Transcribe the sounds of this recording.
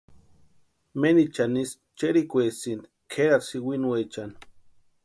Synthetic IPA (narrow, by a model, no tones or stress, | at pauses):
menit͡ʃanis | t͡ʃeɾikʷesind̪ikʰeɾaɾsiwinuwet͡ʃan